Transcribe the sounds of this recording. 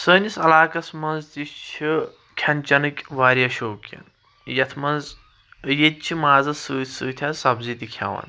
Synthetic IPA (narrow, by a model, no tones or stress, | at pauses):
səːnʲisɐlaːkɐsmɐnzt̪it͡ʃʰi | kʲʰɐnʲt͡ʃɐnɨkʲʋaːɾʲijɐʃoːkʲɐ̰n | jɐt̪ʰmɐnz | jet̪̚t͡ʃʰimaːzɐsɨːt̪ʰsɨːt̪ʲʰɐsɐbzit̪ʲikʲʰa̰ʋɐ̰n